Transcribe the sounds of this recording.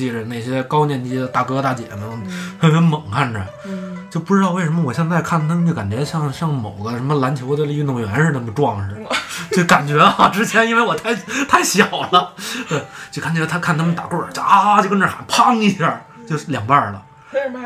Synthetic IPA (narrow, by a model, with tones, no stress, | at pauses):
t͡ɕi˥˩ʈ͡ʂə˨˩ne˥˩ɪɕjɛ˥kɑ˥ʊnjɛ˥˧˩nt͡ɕi˥d̪ə˨˩t̪a˥˩kɤ˥t̪a˥˩t͡ɕjɛ̰˨˩nə˧˩˥fe˥ɪfa˧˥nmə˨˩˦ŋkʰa˥˩nʈ͡ʂə̰˩ | t͡ɕjo˥˧ʊpu˥˧ʈ͡ʂɻ̩˥t̪ɑ˥˧ʊwe˥˩ɪʂə˧˥mə˧wɔ˨˩ɕjɑ˥˧ŋt͡sa˥˧ɪkʰa˥˩nt̪ʰa˥t͡ɕo˥˩ka˨˩nt͡ɕɥɛ˧˥ɕjɑ˥˧ŋɕjɑ˥˩ŋmo˨˩ʊɡə˦ʂə˧˥nmə˧la˧˥nt͡ɕʰjo˧˥ʊd̪ə˧li˥˩˥nʊ˧˩ŋɥɛ˧˥nʂɻ̩˥˧na˥˩mə˨˩ʈ͡ʂwɑ˥˧ŋʂɻ̩˥˩t͡ɕo˥˩ka˨˩nt͡ɕɥɛ˧˥ɑ˥˩ʈ͡ʂɻ̩˥t͡ɕʰjɛ˧˥ni˥nwe˥˩ɪwɔ˨˩t̪ʰa˥˩ɪt̪ʰa˥˩ɪɕjɑ˨˩ʊlə˦t̪we˥˩ɪt͡ɕjo˥˧kʰa˥˩t͡ɕʰlt̪ʰkʰa˥˩nt̪ʰa˥mə˧nt̪a˨˩kwɔ˥˩ə˨˩t͡ɕa˥˧t͡ɕknʈ͡ʂa̰˧˩npʰɑ˥˧ŋi˥˧ɕja˥˩ | t͡ɕjo˥˩ʊljɑ˨˩ŋpa˥˧˩lə̰˩